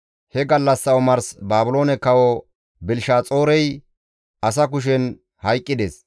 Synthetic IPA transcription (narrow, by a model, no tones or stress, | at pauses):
hɛɡɐlːɐsːɐʊmɐɾsbaːbʊlo̞ːnɛkɐwɔ | bɪlʃaːt͡sʼo̞ːɾɛj | ʔɐs̬ɐkʊʃ̬ɛn | hɐjkʼːɪd̪eːs